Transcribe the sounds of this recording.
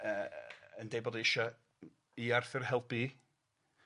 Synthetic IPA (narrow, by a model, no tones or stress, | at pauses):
əəndejbɔdiɪʃɔ | iarθɪrhɛlˠpi